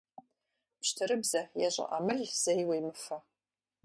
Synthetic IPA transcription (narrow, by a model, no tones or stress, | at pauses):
pɕtʰɨɾɨbzɐjaʑʷʼɪ̰ʔamɨrz̥ejwɐjmɨfɐ